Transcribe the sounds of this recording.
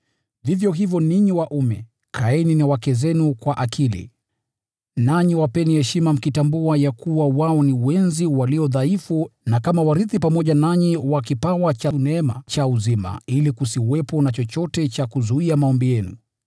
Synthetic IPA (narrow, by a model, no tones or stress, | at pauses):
ðivjɔɦivjɔniɲiwaʔumɛ | kʰaɛninawakɛzɛnukwaʔakʰilḭ | naɲiwapɛnihɛʃimam̩kitambuajakuwawaɔniwɛnziwaliɔðaifunakamawaɾiθipamɔʄanaɲiwakipawat͡ʃanɛma̰t͡ʃauzima̰ilikusiwɛpɔnat͡ʃɔt͡ʃɔtɛt͡ʃakuzuiamaɔmbijɛnṵ